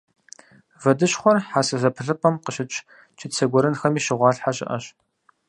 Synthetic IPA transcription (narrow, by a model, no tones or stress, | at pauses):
vɐdɨɕχʷɔrħaːsɐzɐpʰɨɮɨpʰʼɐmqəʃɪt͡ʃʼ | t͡ʃʰɪt͡sʰɐɡʷɔɾɨnxɐmiːʃɪʁʷɑːɬħaɕʼɪ̰ʔɐɕ